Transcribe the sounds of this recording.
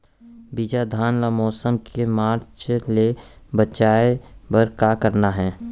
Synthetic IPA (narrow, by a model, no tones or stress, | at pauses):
biːd͡ʒad̪ʱaːnlamɔːsəmkʰemaːɾt͡ʃlebət͡ʃaːebɐɾkakəɾnaɦɛ̃ː